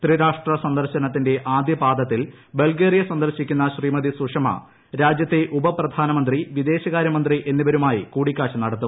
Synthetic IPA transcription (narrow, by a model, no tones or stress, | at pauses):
t̪riɾaːʂʈrɐsɐnd̪ɐrɕɐnɐt̪̬ːinde̞ʔaːd̪ʱjɐbaːd̪ɐt̪ːil | be̞lɡeːrijɐsɐnd̪ɐɾɕikʲːunːɐɕriːmɐðisuʂɐmɐ̰ | ɾaːd͡ʑjɐt̪ːe̞ʔubɐprɐd̪ʱaːnɐmɐnd̪riʋid̪e̞ːɕɐɣaːɾjɐmɐnd̪riʔe̞nːibɐɾumaːjikuːɽikʲːaːɕɐnɐɽɐt̪ːu